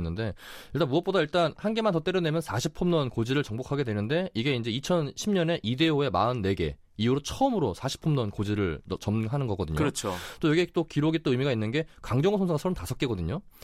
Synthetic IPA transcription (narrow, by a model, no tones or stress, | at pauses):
nːɯnde̞iɭt͈anmuʌp͈odaiɭt͈anhanɡe̞mant̬ʌt͈e̞ɾjʌnemjʌnsʰaɕʰipʰʌmɲʌnkod͡ʑiɾɯɭt͡ɕʌŋbokʰaɡe̞dwenɯnde̞iɡe̞ind͡ʑe̞it͡ɕʰʌnɕʰimɲʌne̞ʔide̞oe̞maɯnːe̞ɡe̞̰ | iuɾot͡ɕʰʌɯmɯɾosʰaɕʰi̥pʰʌmnʌnkod͡ʑiɾɯɭt͡ɕʌmɦanɯnɡʌɡʌdɯɲoɾʌt͡ɕʰot͈ojʌɡit͈okiɾoɡit͈oɯmiɡainːɯnɡe̞kaŋd͡ʑʌŋusʰʌnsʰaɡasʰʌɾomtasʰʌk͈eɡʌdɯɲo